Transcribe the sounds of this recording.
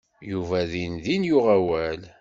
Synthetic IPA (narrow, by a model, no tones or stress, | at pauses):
juvæðinðinjʊʁæwæl